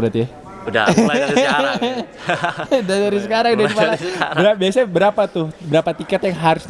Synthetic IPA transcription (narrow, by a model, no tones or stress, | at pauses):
bəɾat̪ḭ | dadaɾisəkaɾaŋdaipalabbəɾabiasabəɾapat̪ʊhbəɾapat̪ikat̪jaŋɦaɾʊs